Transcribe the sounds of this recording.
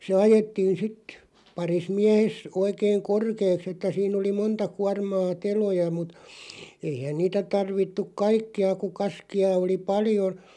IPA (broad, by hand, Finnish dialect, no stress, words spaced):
se ɑjetːiːn̞ sit pɑris miæhes oikeiŋ korkeːks etːæ siːn oli montɑ kuɑrmɑː telojɑ mut eihæn niːtæ tɑrʋitːuk̆ kɑikːiɑ ku kɑskiɑ oli pɑlio